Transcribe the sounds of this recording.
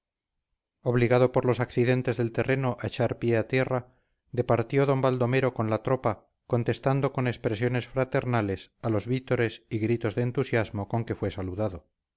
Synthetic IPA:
o̞βliɣaðo̞po̞ɾlo̞sakθiðe̞nt̪e̞zðe̞lt̪e̞re̞no̞ʔaet͡ʃaɾpje̞at̪je̞ra | d̪e̞paɾt̪jo̞ðo̞mbald̪o̞me̞ɾo̞ko̞nlat̪ɾo̞pa | ko̞nt̪e̞st̪and̪o̞ko̞nespɾesjo̞ne̞sfɾat̪e̞ɾnale̞salo̞zβit̪o̞ɾe̞siɣɾit̪o̞zðeːnt̪usjazmo̞ko̞ŋke̞fwe̞saluðaðo̞

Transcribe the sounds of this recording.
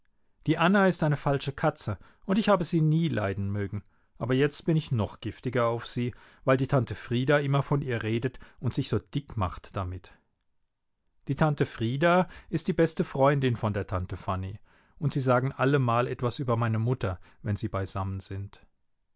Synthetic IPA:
d̥iːʔanaɪstʔaɪnəfalʃəkʰat͡sə | ʔʊntɪçhaːbəziːniːlʔaɪdn̩møːɡŋ̩ | ʔaːbɐjɛt͡stb̥ɪnɪçnɔχɡ̥ɪftɪɡɐaʊfz̥iː | vaɪldiːtʰantəfʁ̥iːdaʔɪmɐfɔnʔiːɐʁeːdətʊntz̥ɪçz̥oːd̥ɪkmaχtd̥amɪt | d̥iːtʰantəfʁ̥iːdaɪstd̥iːbɛstəfʁ̥ɔʏndɪnfɔndeːɐtʰantəfani | ʔʊntz̥iːzaːɡŋ̩ʔaləmaːlʔɛtv̥asʔyːbɐmaɪnəmʊtɐvɛnziːbaɪzamənz̥ɪnt

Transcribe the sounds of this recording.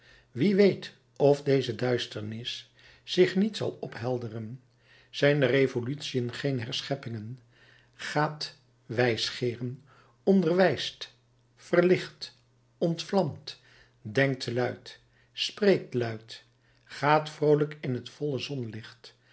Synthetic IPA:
ʋiʋejt | ɔfdejzədœɥstəɹnɪsː | ɪχnitsɑ̰lˠɔpɦɛlˠdərən | z̥ɛjndərevolytsijənχejnɦɛɹsχɛpɪŋən | χaːt | ʋɛjsχɪːrən | ɔndərʋɛjst | fərlɪχt | ɔntflɑmt | dɛŋk̚tlœɥt | sprejk̚tlœɥt | χaːtfrowləkɪnɦətfɔləzɔnlɪχt

